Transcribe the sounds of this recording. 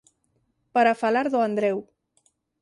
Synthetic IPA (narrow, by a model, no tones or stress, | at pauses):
paɾafalaɾðoand̪ɾɛw